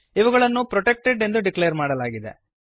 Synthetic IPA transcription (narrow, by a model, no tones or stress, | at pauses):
iʋɐɡɐɭɐnːupɾoʈek̚ʈeɖe̞nd̪uɖikleɐɾmaːɽɐlaːɡid̪e̞̰